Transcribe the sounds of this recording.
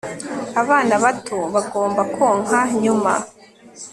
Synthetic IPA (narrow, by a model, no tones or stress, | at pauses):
aβaːnaβatʰoβaɡoːmbakʰoːŋaɲuma̰